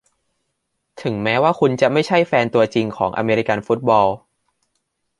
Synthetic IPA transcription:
t̪ʰɯ˩˦ŋmɛː˦˥waː˥˩kʰu˧nt͡ɕa˨˩ma˥˩jt͡ɕʰa˥˩jfɛː˧nt̪u˧ɐt͡ɕi˧ŋkʰɔː˩˦ŋʔa̰˧meː˧ɾi˦˥ka˧nfu˦˥t̪̚bɔː˧w

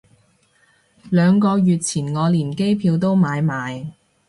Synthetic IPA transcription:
lœː˨˧ŋkɔː˧jyː˨t̚t͡sʰiː˨˩nŋɔː˨˧liː˨˩nke˥jpʰiː˧wt̪o˥wmaː˨˧jmaː˨˧j

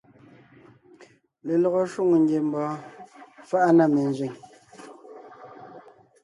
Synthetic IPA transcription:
le˨lɔ˨ɣɔ˦ʃwo˦˨ŋo˨ŋ˦ɡje˨m̩˦bɔː˨˦ | fa˦ʔa˦na˦˨me˨n˨zɥi˨ŋ

